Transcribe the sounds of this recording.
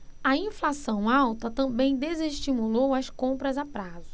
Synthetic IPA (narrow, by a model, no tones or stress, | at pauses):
ɐĩflasɐ̃w̃awt̪ɐt̪ɐ̃bẽj̃d̪ezeʃt͡ʃimulowɐskõmpɾɐzapɾazʊ